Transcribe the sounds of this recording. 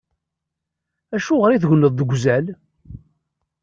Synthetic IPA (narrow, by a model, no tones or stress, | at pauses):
æʃʊʁəɾiθʝʷnəðˤːəɡʷzæl